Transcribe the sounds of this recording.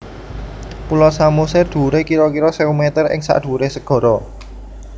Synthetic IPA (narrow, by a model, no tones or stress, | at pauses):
pulɔsamusɛrd̪̥ṳɾekiɾɔkiɾɔseumet̪ərʔɪ̰ŋsa̰ʔd̪̥ṳɾesəɡ̥ɔ̤ɾɔ